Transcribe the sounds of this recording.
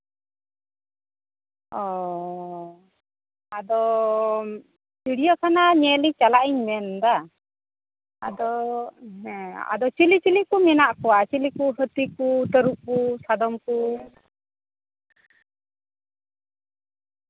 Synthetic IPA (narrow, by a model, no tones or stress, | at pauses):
ɔ | ad̪ɔ | t͡ʃiɽijɔkanaɲɛlit͡ʃalaʔiɲmɛnd̪a | a̰d̪ɔ | a̰d̪ɔt͡ʃilit͡ʃilikumɛnaʔkɔwat͡ʃilikuɦət̪ikut̪əɾuʔkusad̪ɔmku